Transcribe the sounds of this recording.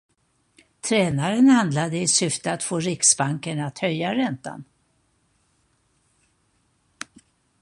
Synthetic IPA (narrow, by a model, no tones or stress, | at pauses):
t̪ʰɾɛːnaɾənhand̪lad̪əɪsʏft̪əat̪foːɾɪksbaŋkəɳat̪hœjːaɾɛnt̪a̰n